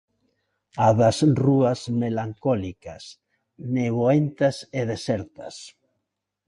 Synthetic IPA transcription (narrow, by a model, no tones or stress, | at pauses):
aðasruasmelaŋkɔlikas | neβoent̪aseðesɛɾt̪as